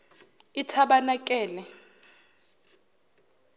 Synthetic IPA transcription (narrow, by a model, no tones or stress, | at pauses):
itʰaɓanakʼɛːlɛ